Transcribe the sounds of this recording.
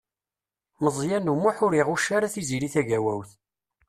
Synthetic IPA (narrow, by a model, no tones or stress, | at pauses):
məzˤjænumʊħʊɾiʁuʃaɾaθiziɾiθæʝæwæwθ